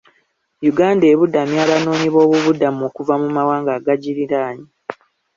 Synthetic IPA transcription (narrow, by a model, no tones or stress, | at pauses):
juɡaːnde̞βudamjaːβano̞ːɲiβo̞ːβuβudamuoːkuvamumawaːŋɡaːɡaɟiɾiɾaːɲi